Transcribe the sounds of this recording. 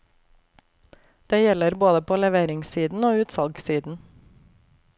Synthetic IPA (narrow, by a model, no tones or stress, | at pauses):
d̪̥eːjɛləɾboːd̪əpʰoːlɛʋeːɾɪŋsiːd̪n̩oːʉːt̪sɑlɡsiːd̪n̩